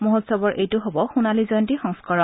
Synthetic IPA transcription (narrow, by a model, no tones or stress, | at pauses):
mɔɦɔtsɔbɔɹʔejtʊɦobɔxunalizɔjntixɔŋskɔɹɔ